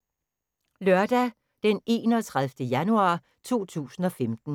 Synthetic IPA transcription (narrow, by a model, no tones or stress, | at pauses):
lɶɐd̥æ | d̥ene̝ːnɒt͡sʰʁaðˠfd̥əjænuɑ̰̈ː | t͡sʰo̝̰ːt͡sʰṵːsn̩ɒ̽femd̥n̩